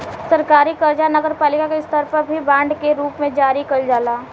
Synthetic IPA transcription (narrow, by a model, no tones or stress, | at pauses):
sɐɾkaːɾikɐɾd͡ʒanɐɡəɾpaːlɪkakeɪst̪ɔɾpəɾbʱibãːɳɖkeɾuːpmẽd͡ʒaːɾikɐɾd͡ʒaːlaː